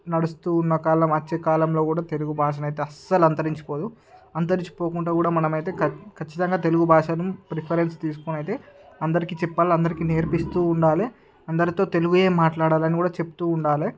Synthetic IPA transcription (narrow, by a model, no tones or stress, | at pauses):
nɐɽust̪uːnːɐkaːlɐmɐt͡ʃːeːkaːlɐmlo̞ːkuːɽaːt̪e̞luɡubʱaːʂ̬ɐmɐjt̪e̞ːɐsɐlɐnt̪ɐɾiɲt͡ʃi̥poːd̪u | ɐnt̪ɐɾiɲt͡ʃi̥po̞ːkuɳʈaːkuːɽaːmɐnɐmɐjt̪e̞ːkɐkʰɐt͡ʃːit̪ɐŋɡaːt̪e̞luɡubʱaːʂɐnumpɾipʰɐɾenst̪iːsu̥konɐjt̪e̞ːɐnd̪ɐɾikiːt͡ʃɛpːaːliɐnd̪ɐɾikineːɾpist̪uːɳɖaːli | ɐnd̪ɐɾit̪o̞ːt̪e̞luɡuje̞ːmaːʈlaːɽaːlɐnikuːɽaːt͡ʃe̞pu̥t̪uːɳɖaːle